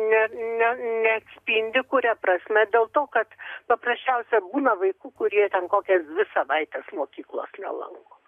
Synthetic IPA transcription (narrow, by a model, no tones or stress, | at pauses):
nʲɛnʲɛnʲɛɐksʲpʲinʲd̪ʲɪkʊɾʲɛprɐsʲmʲɛd̪ʲeːlˠt̪oːkɐt̪pɐprɐsʲt͡ʃʲɛʊsʲɛbuːnɐʋɐɪkuːkʊɾʲiɛt̪ʲɛnkoːkʲɛsd̪ʲʋʲɪsɐʋɐɪt̪ʲɛsmoːkʲiːklˠo̰ːsnʲɛ̰lˠɐ̰ŋkoː